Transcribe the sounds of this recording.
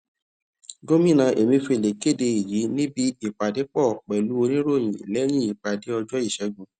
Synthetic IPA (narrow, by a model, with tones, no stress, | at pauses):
ɡo˦mĩ˦˨nã˧ʔe˨mĩ˧fi˧˨le˨ke˦˨de˧i˨ji˨˦nĩ˦bi˦i˦˨k͡pa˨de˨˦k͡pɔ˦˨k͡pɛ˨lu˨˦o˧nĩ˦ɾo˦˨j̃ĩ˨i˨lɛ˨˦j̃ĩ˦i˦˨k͡pa˨de˨˦ɔ˧d͡ʒɔ˦i˦˨ʃɛ˧˦ɡũ˨